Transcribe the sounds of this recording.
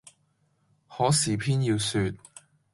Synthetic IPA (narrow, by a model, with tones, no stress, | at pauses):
hɔː˨˥siː˨pʰiː˥njiː˧wsyː˧t̚